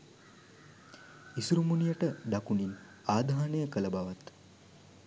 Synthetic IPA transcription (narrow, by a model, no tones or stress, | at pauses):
isuɾumunijəʈəɖ̪akunin | aːd̪ʱaːanejəkələbaʋat̪